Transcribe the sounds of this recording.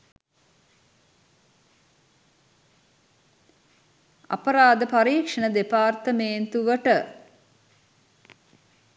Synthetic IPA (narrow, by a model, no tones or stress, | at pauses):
a̰pəɾaːd̪əpaɾiːkʂɐnəd̪epaːrt̪əmeːnt̪uʋəʈə